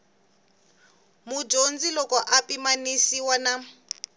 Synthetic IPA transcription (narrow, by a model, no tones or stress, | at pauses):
mud͡ʒond͡zilɔkɔʔapimanisiwana